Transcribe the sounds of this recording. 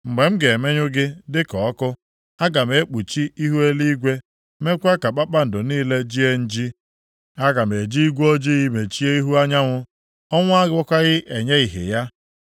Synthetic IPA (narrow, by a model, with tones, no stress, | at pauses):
ŋ͡m̩˨ɡ͡be˨m̩˦ɡe˨e˨me˦ɲʊ˦ɡɪ˦dɪ˦kɔ˨ɔ˦kʊ˦ | a˦ɡa˨me˨˦k͡pu˨t͡ʃi˦i˦ɦu˦e˦li˦ɡʷe˦ | me˦kʷa˦ka˨k͡pa˦k͡pa˦n̩˨dʊ˨niː˦le˦d͡ʒi˦e˦n̩˦d͡ʒi˦ | a˦ɡa˨m˨e˨d͡ʒi˦i˦ɡʷo˦d͡ʒi˦ɣi˦me˨t͡ʃi˦e˦i˦ɦu˦a˦ɲa˦ŋʷʊ˦ | ɔ˦ŋʷ˦a˦ɡɔ˦kʷa˦ɣɪ˦ʔe˨ɲe˦i˨ɦḛ˨ja˦